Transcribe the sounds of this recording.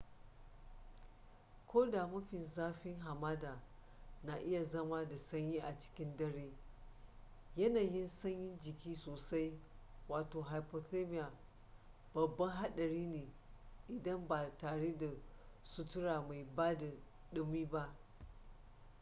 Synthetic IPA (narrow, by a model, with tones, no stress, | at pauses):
kʰʷoː˦daː˨mʊ˦ɸɪ˨nzaː˦ɸɪ˦ŋɦa˨maː˦da˨ | na˨ʔɪ˦ja˨zɐ˦ma˦da˨sɐ˦ɲjiː˦ʔa˨t͡ʃɪ̥˦kʲɪ˦ndɐ˦ɽeː˦ | jɐ˦naː˨jɪ˦nsɐ˦ɲjɪ˦nd͡ʒɪ˨kʲiː˦soː˨sa˦jwaː˨toː˨ɦa˨jpo˨te˦mɪ˦jaː˨ | b̥ɐ˨bːɐ˦ŋɦa˦ɗɐ˨ɽiː˦neː˨ | ʔɪ˨dɐ˦mbaː˨taː˨ɽe˦da˨sʊ˦tʊ˦ɽaː˨ma˨jbaː˦da˨ | ɗɪ˦miː˦ba˦ʔ